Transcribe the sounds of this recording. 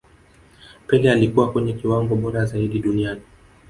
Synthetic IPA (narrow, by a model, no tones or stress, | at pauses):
pɛlɛalikuwakwɛɲɛkiwaŋɡɔɓɔɾazaiɗiɗuniani